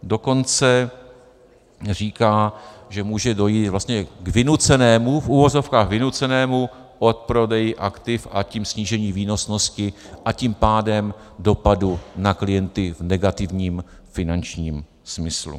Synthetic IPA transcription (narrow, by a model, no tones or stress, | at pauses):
do̞ko̞nt͡sɛ | r̝iːkaːʒɛmuːʒɛdo̞jiːt̪vlast̪ɲɛɡvɪnut͡sɛnɛːmufʔuvo̞zo̞fkaːɣvɪnut͡sɛnɛːmu | ʔo̞t̪̚pɾo̞dɛjɪʔakt̪ɪfʔaciːmsɲiːʒɛɲiːviːno̞sno̞scɪ | ʔaciːmpaːdɛm | do̞padunaklɪjɛnt̪ɪvnɛɡat̪ɪvɲiːm | fɪnant͡ʃɲiːm | smɪslṵ